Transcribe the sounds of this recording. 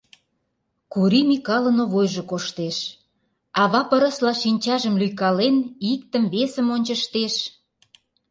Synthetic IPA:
kuɾimikɑlə̆noβojʒokoʃt̪eʃ | ɑβɑpə̆ɾə̆slɑʃinʲt͡ɕɑʒəmlyjkɑlenik̚t̪ə̆mβesəmonʲt͡ɕə̆ʃt̪eʃ

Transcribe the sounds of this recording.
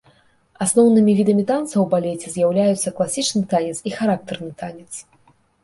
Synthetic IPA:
asnɔwnɨmʲivʲid̪ɐmʲit̪ant̪sɐwbalʲɛt͡sʲɛzʲjawlʲajut̪sːɐklˠasʲit͡ʂnɨt̪anʲɛt̪sixaɾak̚t̪ɛrnɨt̪anʲɛt̪s

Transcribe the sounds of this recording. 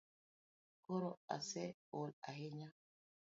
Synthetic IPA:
kɔɾɔa̰sɛola̰heɲa

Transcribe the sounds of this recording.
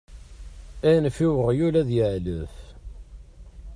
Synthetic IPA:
ænfiwəʁjulæðjəʕləf

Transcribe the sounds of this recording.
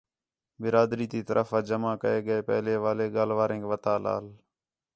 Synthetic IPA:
bɪɾaːd̪ɾiːt̪iːt̪əɾʔəfaːd͡ʒəmãːkəeːɠəeːpɛ̰ɦleːʋaːleːɠaːlʋaːɾẽːŋkʋət̪aːla̰ːl

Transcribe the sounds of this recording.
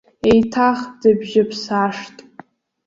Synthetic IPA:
ejtʰaχd̥ɨbʒɪpʰsaʂtʼ

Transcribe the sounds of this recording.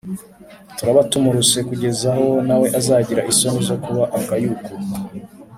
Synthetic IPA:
tuɾaβatumuɾuse̞kuɟe̞zaho̞nawe̞ʔazaːɟiɾaʔiso̞nizo̞kuβaʔakajuko

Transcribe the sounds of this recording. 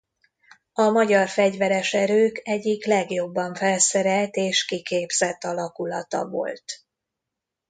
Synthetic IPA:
ɒmɒɟɒrfɛɟvɛɾɛʃɛɾøːkɛɟːiklɛɡjo̞bːɒɱfɛlsɛɾɛlt̪eːʃkikeːbz̥ɛt̪ːɒlɒkulɒt̪ɒ̰vo̞̰lt̪

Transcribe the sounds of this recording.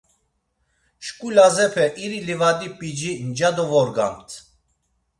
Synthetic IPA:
ʃkʼulazɛpʰɛʔiɾilivad̪ipʼid͡ʒind͡ʒad̪ɔvɔɾɡa̰mt̪ʰ

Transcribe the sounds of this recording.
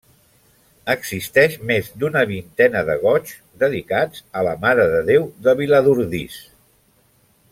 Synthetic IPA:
əɡzist̪ɛʃmezd̪unəβint̪ɛnəðəɣɔt͡ʃ | d̪əðikad͡zələmaɾəðəðewðəβiləðuɾðḭs

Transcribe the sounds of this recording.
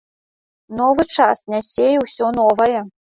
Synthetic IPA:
nɔvɨt͡ʂasnʲasʲejɛwsʲɔnɔvɐjɛ

